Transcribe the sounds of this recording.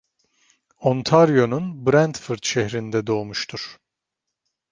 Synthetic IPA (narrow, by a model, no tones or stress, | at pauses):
ont̪ʰaɾjo̞nunbɾænt̪fɯɾt̪ʃɛhɾind̪ɛd̪o̞ːmuʃt̪ʰuɾ̥